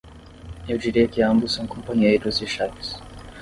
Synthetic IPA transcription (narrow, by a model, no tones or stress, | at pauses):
ewd͡ʒiɾiɐkɪɐ̃mbussɐ̃w̃kõmpɐ̃ɲeid̪uziʃavis